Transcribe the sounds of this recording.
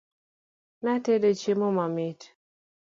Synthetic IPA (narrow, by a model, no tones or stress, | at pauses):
natedot͡ʃemomamɪt